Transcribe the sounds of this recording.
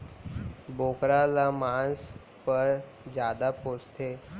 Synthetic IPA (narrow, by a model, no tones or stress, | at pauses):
boːkɾalamaːns | pəɾ | d͡ʒjaːd̪apoːst̪ʰeː